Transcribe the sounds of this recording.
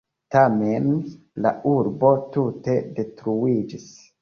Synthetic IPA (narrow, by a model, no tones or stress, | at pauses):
tame̞n | la̰ʔuɾbo̞tute̞de̞tɾuid͡ʒis